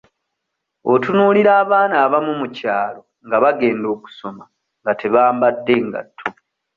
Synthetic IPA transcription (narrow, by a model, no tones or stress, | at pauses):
otunuːliɾaːβaːnaːβamumucaːlo̞ | ŋɡaβaɡe̞ːndo̞ːku̥so̞ma | ŋɡatʰe̞βaːmbadːe̞ŋɡa̰tʰːo